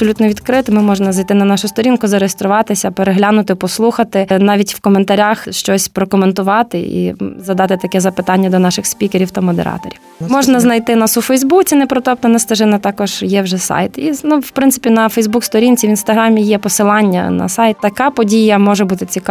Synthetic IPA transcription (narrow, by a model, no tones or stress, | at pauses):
psɔlʲut̪nɔʋʲid̪kɾɪt̪ɪmɪmɔʒnɐzɐjt̪ɪnɐnɑʃʊst̪ɔɾʲinkʊzɐɾejest̪ɾʊʋɑt̪ɪsʲɐpeɾeɦlʲanʊt̪ɪpɔslˠuxɐt̪ɪnɑʋʲitʲwkɔment̪ɐɾʲaxʃt͡ʃɔsʲpɾɔkɔment̪ʊʋɑt̪ɪḭzɐd̪ɑt̪ɪt̪ɐkɛzɐpɪt̪ɑnʲːɐd̪ɔnɑʃɪxspʲikeɾʲiwt̪ɐmɔd̪ḛɾʔɑ̰t̪ɔ̰ɾʲiw | mɔʒnɐznɐjt̪ɪnɑsʊfɛjzbut͡sʲinɛpɾɔt̪ɔp̚t̪ɔnɛst̪ɐʒɪnɐt̪ɑkɔʒ̥jɛwʒɛsɑ̰jt̪inuwpɾɪntsɪ̥pʲinɐfɛjzbukst̪ɔɾʲinʲt͡sʲiʋʲinst̪ɐɦɾɑmʲijɛpɔsɪlˠɑnʲːɐ̰nɐ̰sɑjt̪t̪ɐkɑpɔdʲijɐmɔʒɛbut̪ɪt͡sʲik